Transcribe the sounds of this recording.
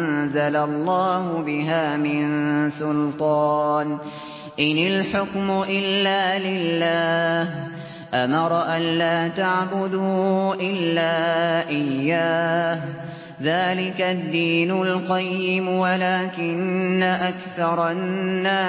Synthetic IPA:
nzalalˤːɑːhʊbɪɦaːmɪnsʊlt̪ˤɑːn | ʔɪnɪlħʊkmʊʔɪlːaːlɪlːaːh | ʔamɑɾˤɑʔanlaːt̪aʕbʊd̪uːʔɪlːaːʔɪjːaːh | ðaːlɪkad̪ːiːnʊlqɑjːɪmwalaːkɪnːaʔakθɑɾˤɑnːaː

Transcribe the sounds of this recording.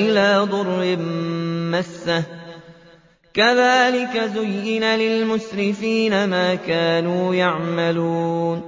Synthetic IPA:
ʔɪlaːd̪ˤʊɾɪ | masːa | kaðaːlɪkazʊjːɪnalɪlmʊsɾɪfiːnamaːkaːnuːjaʕmaluːn

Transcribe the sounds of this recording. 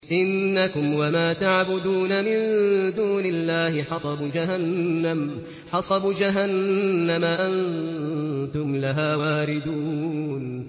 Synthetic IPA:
ʔɪnːakʊmwamaːt̪aʕbʊd̪uːnamɪnd̪uːnɪlːaːhɪħɑsˤɑbud͡ʒaɦanːam | ħɑsˤɑbud͡ʒaɦanːamaʔan | t̪ʊmlaɦaːwaːɾɪd̪uːn

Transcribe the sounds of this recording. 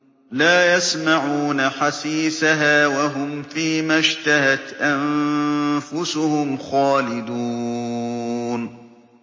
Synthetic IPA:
laːjasmaʕuːnaħasiːsaɦaːwaɦʊmfiːmaʃt̪ahat̪ʔan | fʊsʊhʊmxaːlɪd̪uː | n

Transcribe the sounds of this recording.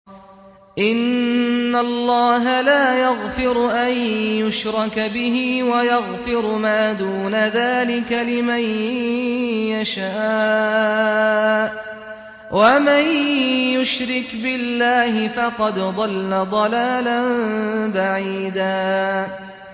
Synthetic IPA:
ʔɪnː | alːɑːɦalaːjaɣfɪɾʊʔanjʊʃɾˤɑkbɪɦiːwajɑɣfɪɾmaːd̪uːnaðaːlɪkalɪman | jaʃaː | wʔamanjʊʃɾɪkbɪlːaːhɪfɑqɑd̪d̪ˤɑlːad̪ˤɑlaːlanbaʕiiːd̪aː

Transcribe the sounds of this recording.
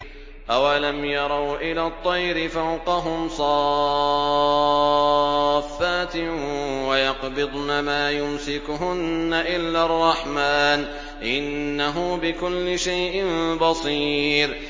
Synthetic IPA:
ʔawalamjɑɾˤɑwʔɪlaːt̪ˤːɑjɾɪfawqɑɦʊmsˤɑ | fːaːt̪ɪwajɑqbɪd̪ˤnamaːjʊmsɪkʊɦʊnːaʔɪlːaːrˤːɑħmaːn | ʔɪnːaɦʊbɪkʊlːɪʃajʔɪmbɑsˤiːɾ

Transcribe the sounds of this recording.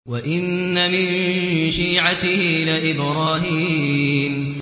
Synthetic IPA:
waʔɪnːamɪnʃiːʕat̪ɪhɪlɪʔɪbɾɑːɦiːm

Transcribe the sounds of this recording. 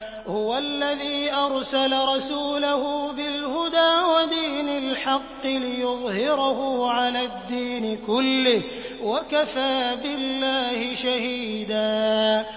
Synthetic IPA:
hʊwalːaðiːʔɑɾˤsalaɾˤɑsuːlahʊbɪlhʊd̪aːwad̪iːnalħɑqːɨlɪjʊðˤhɪɾahʊʕalaːd̪ːiːnɪkʊlːɪh | wakafaːbɪlːaːhɪʃahiːd̪aː

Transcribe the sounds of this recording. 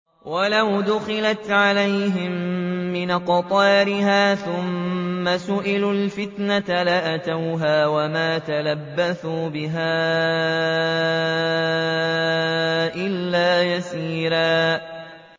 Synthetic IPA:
walawd̪ʊxɪlat̪ʕalajɦɪmːɪnqt̪ˤɑːɾɪɦaːθʊmːasʊʔɪlʊlfɪt̪nat̪alaʔat̪awɦaːwamaːt̪alabːaθuːbɪɦaː | ʔɪlːaːjasiːɾaː

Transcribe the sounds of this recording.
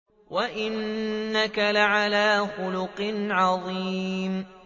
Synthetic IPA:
waʔɪnːakalaʕalaːxʊlʊqɪnʕɑðˤiːm

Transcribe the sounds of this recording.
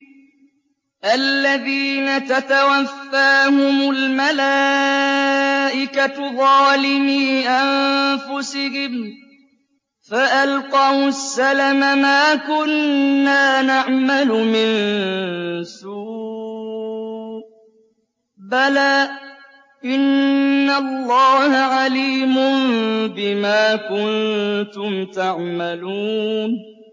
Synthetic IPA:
ʔalːaðiːnat̪at̪awafːaːhʊmʊlmalaː | ʔɪkat̪ðˤɑːlɪmiːʔanfʊsɪhɪm | faʔalqɑwsːalamamaːkʊnːaːnaʕmalʊmɪn | suː | balaː | ʔɪnːalˤːɑːhaʕaliːmʊmbɪmaːkʊnt̪ʊmt̪aʕmaluːn

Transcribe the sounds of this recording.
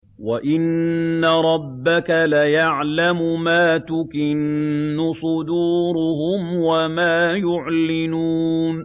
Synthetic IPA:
waʔɪnːaɾˤɑbːakalajaʕlamʊmaːt̪ʊkɪnːʊsˤʊd̪uːɾʊɦʊmwamaːjʊʕlɪnuːn

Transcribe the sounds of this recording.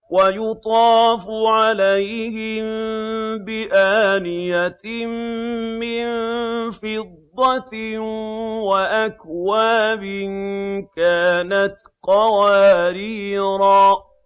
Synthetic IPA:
wajʊt̪ˤɑːfʊʕalajhɪmbɪʔaːnɪjamː | ɪnfɪd̪ˤːɑ | waʔakwaːbɪnkaːnat̪ | qɑwaːɾiːɾaː

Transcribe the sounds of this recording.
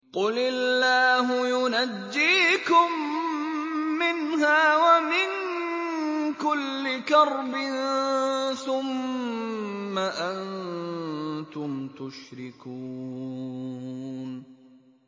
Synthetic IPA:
qʊlɪlːaːɦʊjʊnad͡ʒːiːkʊm | ɪnɦaːwamɪn | kʊlːɪkɑɾˤbɪn | θʊm | aʔan | t̪ʊmt̪ʊʃɾɪku | n

